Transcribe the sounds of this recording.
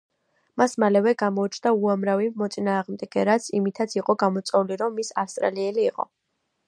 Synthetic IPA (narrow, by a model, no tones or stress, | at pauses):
masmalɛvɛɡamɔut͡ʃʰnd̪auamɾavimɔt̪sʼinaːʁmd̪ɛɡɛɾat̪sʰimit̪ʰat̪sʰiqʼɔɡamɔt̪sʼɛuliɾɔmːisafst̪ʼɾa̰liɛliːqʼɔ̰